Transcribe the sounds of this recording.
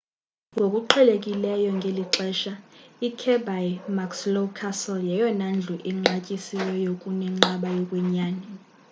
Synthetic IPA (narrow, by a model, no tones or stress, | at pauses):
ŋɡʱokʼuǃʰɛlekʼilɛjɔŋɡʱeliǁɛʃaikʰɛbajmakslokʰasɛljɛjɔnand͡ɮʱuʔɛŋ͡ǁacʼisiwɛjokʼunɛŋ͡ǃaɓajɔkʼwɛɲaːnɛ